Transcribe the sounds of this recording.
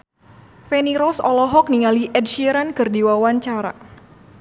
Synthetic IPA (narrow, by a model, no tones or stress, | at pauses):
fɛniɾɔsɔ̰lɔɦɔk̚niŋaliʔɛd̚ʃiɾankɨrdiwawaɲt͡ʃaɾa̰